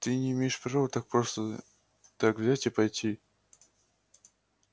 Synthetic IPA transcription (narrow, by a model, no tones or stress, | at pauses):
t̪ɨnʲɪːmʲejɪʂpɾavət̪ak̚pɾost̪ə | t̪akvzʲætʲɪpɐjtʲʰi